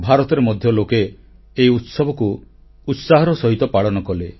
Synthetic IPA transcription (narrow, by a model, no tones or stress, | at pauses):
bʱaɾɔt̪ɔɾemɔd̪ʱjɔlokeː | iut̪sɔbʱɔku | ut̪saɦɔɾɔsɔɦit̪ɔpaɭɔnɔkɔle